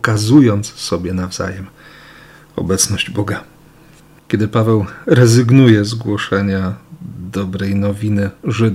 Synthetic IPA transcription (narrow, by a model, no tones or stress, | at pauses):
kazujɔnt̪ssɔbʲjɛnavza̰jɛm | ɔ̰bɛt̪snɔʑd͡ʑbɔɡa | kʲɛd̪ɘpavɛwɾɛzɘɡnujɛzɡwɔʂɛɲad̪ɔbɾɛjnɔvʲinɘʐɘd̪